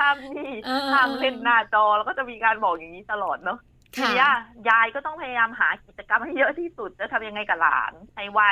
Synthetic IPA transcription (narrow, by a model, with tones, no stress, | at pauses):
t̪ʰa˧˥˩mniː˧˥˩t̪aː˧˩mpe˧nːaː˧˩t͡ɕɔː˧lwkɔː˥˩t͡ɕa˨˩miː˧kaː˧nbɔː˨˩k̚ja˨˩ŋniː˦˥t̪ʰa˧lɔː˨˩t̪̚nɔ˦˥ | t̪ʰiː˧ni˦˥ʔa˨˩jaː˧jkɔː˥˩t̪ɔ˥˩ŋpʰa˧ja˧jaː˧mɦaː˩˦ki˨˩t̪̚t͡ɕa˧ka˧mha˥˩jɤ˦˥ʔt̪ʰiː˥˩su˨˩t̪̚t͡ɕa˩t̪ʰa˧mja˧ŋːa˧jka˨˩la̰ː˩˦nha˧˩jwa˧˩